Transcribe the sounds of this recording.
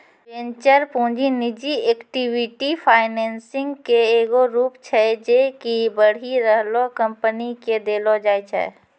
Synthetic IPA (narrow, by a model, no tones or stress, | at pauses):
ẽːɲt͡ʃəɾpũːd͡ʒinɪd͡ʒieːkʈiwɪʈipʰaːɪnẽːnsɪ̃ŋɡkeeːɡoɾuːpt͡ʃʰɛd͡ʒekibəɽ̤iɾəɦlokɐ̃mpəniked̪eːlod͡ʒaːit͡ʃʰɛ̰